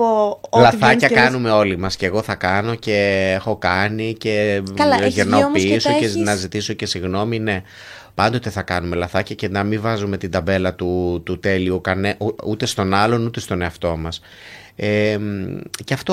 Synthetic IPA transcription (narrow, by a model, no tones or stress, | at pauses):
llɐθɐcɐkɐnume̞o̞limɐsce̞ːɣo̞θɐkɐno̞ce̞exo̞kɐnice̞ | ʝiɾnopiisoenɐzit̪iso̞ce̞siɣno̞mine̞ | pɐnd̪o̞t̪e̞θɐkɐnume̞lɐθɐcɐcenɐmivɐzume̞t̪ind̪ɐbe̞lɐt̪ut̪ut̪e̞liukɐneʔut̪e̞st̪o̞nɐlo̞nut̪e̞st̪o̞ne̞ɐft̪o̞mɐs | emcɐft̪o